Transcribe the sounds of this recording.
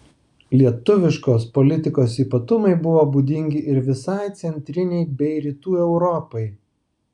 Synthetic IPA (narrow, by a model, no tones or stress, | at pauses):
lʲiɛt̪ʊʋʲɪʃkoːspɔlʲɪt̪ʲɪkoːsiːpɐt̪ʊmɐɪbʊʋoːbuːd̪ʲɪŋʲɡʲɪʔɪɾʋʲɪsɐɪt̪sʲɛnʲt̪ʲɾʲɪnʲɛɪbʲɛɪɾʲiːt̪uːɛʊɾɔpɐɪ